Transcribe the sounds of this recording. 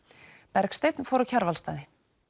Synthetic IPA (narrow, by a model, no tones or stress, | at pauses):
pɛɾkst̪ejt̪nfoːwɾacʰaɾvalst̪aːðɪ